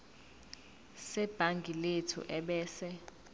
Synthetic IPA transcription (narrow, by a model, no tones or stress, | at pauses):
sɛb̥ʱaŋɡʱiletʰṵʔɛɓɛːsɛ